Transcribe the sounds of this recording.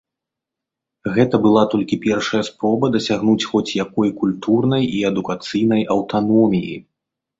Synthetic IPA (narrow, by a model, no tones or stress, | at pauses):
ɣɛt̪ɐbɨlˠat̪ɔlʲkʲipʲɛrʂɐjɐspɾɔbɐd̪ɐsʲaɣnut͡sʲxɔt͡sʲjakɔjkulʲt̪urnɐjiɛd̪ukat̪sɨjnɐjʔɐwt̪anɔmʲijḭ